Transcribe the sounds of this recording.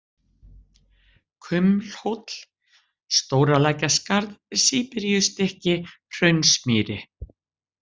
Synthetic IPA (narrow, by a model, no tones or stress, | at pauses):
kʰʏml̥howt̪l̥ | st̪oːwɾalaːjcaskaɾðsiːpɪɾjʏst̪ɛhcɪ | r̥œɥnsmɪːɾɪ